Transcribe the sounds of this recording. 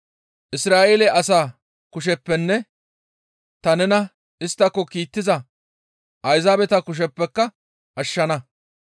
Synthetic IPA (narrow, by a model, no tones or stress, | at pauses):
ʔɪsɾaːʔeːlɛʔɐsaː | kʊʃ̬ɛpːɛnːɛ | t̪ɐnɛnɐ | ɪst̪ːɐkːɔkiːt̪ːɪzɐ | ʔɐjzaːbɛt̪ɐkʊʃ̬ɛpːɛkːɐ | ʔɐʃːɐnɐ